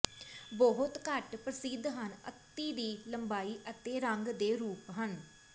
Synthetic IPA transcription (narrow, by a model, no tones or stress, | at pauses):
bɔɦʊt̪kəʈpɾəsɪd̪ɦənə̰t̪ːiːd̪iːləmbaːiːʔət̪eːɾəŋɡd̪eːɾuːpɦən